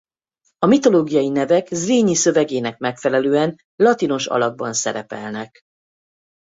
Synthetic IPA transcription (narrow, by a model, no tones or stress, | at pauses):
ɒmit̪o̞loːɡijɒjinɛvɛkzreːɲisø̞vɛɡeːnɛk̚mɛkfɛlɛløːɛn | lɒt̪ino̞ʃɒ̰lɒɡ̚bɒnsɛ̰ɾɛpɛ̰lnɛk